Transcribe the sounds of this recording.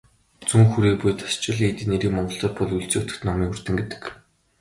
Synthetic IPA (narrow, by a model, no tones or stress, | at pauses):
t͡suŋxuɾiːpujt̪ʰḁst͡ɕɪ̆ɮiːt̪ɘneɾiːkmɔɴɢɞ̆ɬt̪ɔːt̪pɔɮujɮt͡seːut̪ɘ̥̆t̪nɔmiːkur̥t̪ɘ̆ŋɡet̪ɘ̥̆k